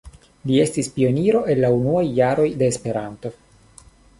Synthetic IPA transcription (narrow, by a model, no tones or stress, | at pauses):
lie̞stispio̞niɾo̞ʔe̞nːaunuajːaɾo̞jd̪e̞ːspe̞ɾant̪o̞